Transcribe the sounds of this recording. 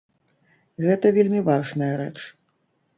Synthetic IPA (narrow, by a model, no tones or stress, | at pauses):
ɣɛt̪ɐvʲelʲmʲivaʐnɐjɐɾɛt͡ʂ